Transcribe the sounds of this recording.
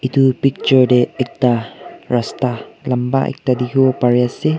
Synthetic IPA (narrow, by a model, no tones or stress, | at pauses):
ʔit̪upik̚t͡ʃuɹdeɛk̚t̪arast̪alamba̰ʔɛ̰k̚t̪adihopaɹiasi